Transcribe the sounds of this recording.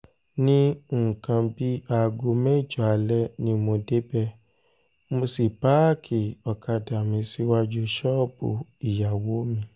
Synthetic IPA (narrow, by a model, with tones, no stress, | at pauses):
nĩ˦˨kã˧bi˦a˧ɡo˧mɛ̃˦˨d͡ʒɔ˨a˨˧lɛ˦nĩ˧˦mõ˧de˦bɛ˦˨ | mo˧si˨pa˦˨kʰi˨ɔ˨kʰa˧da˨mĩ˧si˦wa˧d͡ʒo˧ʃɔ˦˨bo̰˨i˨ja˨wo˨˦mĩ˧